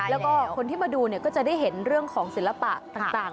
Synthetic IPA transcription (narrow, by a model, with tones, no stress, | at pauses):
lɛː˦˥wkɔː˥˩kʰo˧nt̪ʰiː˥˩maː˧duː˧ni˥˩ɐkɔː˥˩t͡ɕa˨˩da˥˩jɦe˨˩˦nɾɯ˥˩əŋkʰɔː˩˦ŋsi˨˩˦la˧pa̰˨˩ʔt̪aː˨˩t̪aː˨˩ŋ